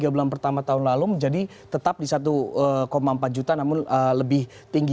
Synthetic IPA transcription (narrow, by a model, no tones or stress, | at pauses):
ɡabulanpərt̪amat̪aɦʊnlaluməɲd͡ʒadi | t̪ət̪ap̚disat̪̬uəkomaəmpat̪̚d͡ʒut̪anamʊnələbɪh | t̪iŋɡ